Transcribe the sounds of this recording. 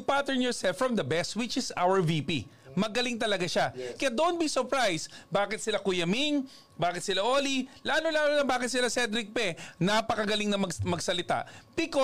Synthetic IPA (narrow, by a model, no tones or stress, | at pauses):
pat̪ɛɹnjɔɹsɛlfɹɐmd̪ɐbɛst̪̚wɪt͡ʃɪsa̰wəɹvipi | mɐɡɐliŋt̪ɐlɐɡaʃakɐjad̪ont̪̚bisɔɹpɹajsbaːkɪt̪sɪlakʊjɐmiŋ | baːkɪt̪̚sɪlaʔoːlilaːlolaːlolɐbaːkɪt̪̚sɪlasɛd̪ɾɪk̚pɛnapɐkɐɡɐlɪŋnɐmɐmɐɡsɐlɪt̪a̰ʔb̥ɪko